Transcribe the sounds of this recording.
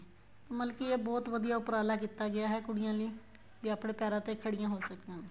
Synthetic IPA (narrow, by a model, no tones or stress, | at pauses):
məlkɪeːbɔːt̪ʋəd̪ijaːʊpəɾaːlaːkit̪ːaːɡɪaːɦɛːkʊɽɪjãːliː | diapɳeːpɛːɾãːt̪eːkʰəɽɪjãːɦoːsəkd̪ãː